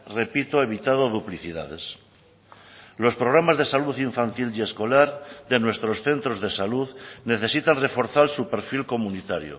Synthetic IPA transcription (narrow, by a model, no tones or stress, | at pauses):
re̞pit̪oe̞βit̪að̞o̞ðupliθiða̰ðe̞̰s | lo̞spɾo̞ɣ̞ɾamazðe̞saluθiɱfant̪ile̞sko̞laɾðe̞nwe̞st̪ɾo̞sθe̞nt̪ɾo̞zðe̞saluðne̞θe̞sit̪anre̞fo̞ɾθalsupe̞ɾfilko̞munit̪aɾjo̰